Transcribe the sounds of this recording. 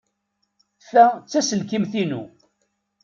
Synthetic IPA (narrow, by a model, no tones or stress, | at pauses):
θæt͡sːæsəlkimθinṵ